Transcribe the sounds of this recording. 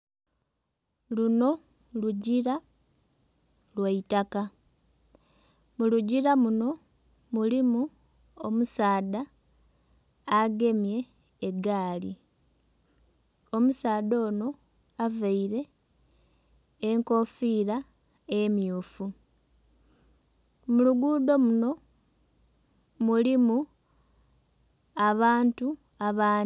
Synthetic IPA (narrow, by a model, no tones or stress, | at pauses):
luno̞ | luɟiɾa | lwaitaka | muluɟiɾamuno̞ | mulimu | omusaːda | ɡe̞mje̞ː | ɡaːli | o̞musaːdo̞ːno̞ | avaiɾe̞ | ŋko̞fiːɾa | e̞mjuːfu | muluɡuːd̪o̞muno̞ | mulimu | aβaːntu | aβaː